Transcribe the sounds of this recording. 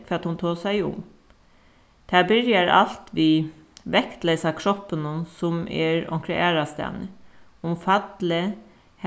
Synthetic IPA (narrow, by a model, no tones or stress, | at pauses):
fɑt̪hʊnt̪ʰoːsæɪʊ̰m | t̪ʰæːbɪɾjəɾɑ̰lt̪ʋiː | ʋɛkt̪lɛsɑkʰɾɔpːənʊnsʊmɛ̰ɹɔ̰ŋkʰɾɛʔæːɾast̪æ̰nə | ʊmfɑt̪lə | h